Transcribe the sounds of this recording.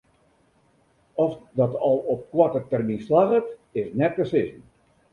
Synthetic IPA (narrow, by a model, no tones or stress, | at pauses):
ɔfdɑtɑlˠɔp̚kwɔtətɛrminslaɣətɪsnɛt̚kəsɪzən